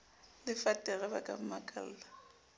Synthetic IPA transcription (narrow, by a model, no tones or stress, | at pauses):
lɪfatʼɛɣɛbakʼam̩makʼa̰l̩ːla